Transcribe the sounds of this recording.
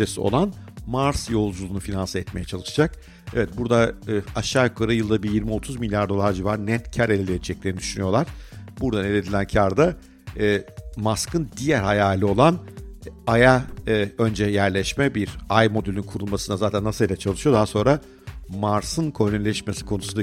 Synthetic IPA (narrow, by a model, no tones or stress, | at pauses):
esio̰lˠanmaɾsjo̞lˠd͡ʒulˠuːnufinansaɛt̪me̞jɛt͡ʃʰalˠɯʃd͡ʒak | ɛvɛt̪̚buɾd̪aaʃaːjokʰaɾajɯlˠd̪abijiɾmio̞t̪ʰuzmilʲjaɾd̪o̞lˠaɾd͡ʒivaɾnɛt̪cʰaɾelʲelʲed͡ʒɛc̚lʲeɾnid̪y̥ʃynyjo̞lˠaɾ̥buɾd̪anelʲed̪ilʲæncʰaɾd̪aː | maskʰɯnd̪ijæɾhajaːlʲio̞lˠan | ajaø̞nd͡ʒɛjæɾlʲɛʃmɛbiɾajmo̞d̪ylʲinkʰuɾulˠmasɯnazaːt̪ʰænːasɯlˠilʲɛt͡ʃʰalˠɯʃɯjo̞d̪aɦaso̞nɾa | maɾsɯnkʰoɾnynylʲɛʃmesi̥kʰo̞nusund̪a